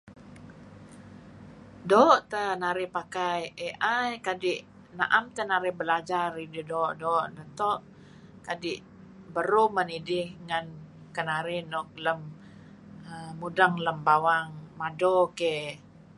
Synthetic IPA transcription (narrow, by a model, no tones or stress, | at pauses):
doʔt̪ənaɾɪpakajeʔajkadɪʔ | na̰ʔamt̪ənaɾɪhbəlad͡ʒarididɔʔdɔʔnət̪ɔʔ | kadɪʔ | bəɾumənidɪhŋan | kənaɾɪnɔk̚ləm | əːudaŋləmbawaŋmadoke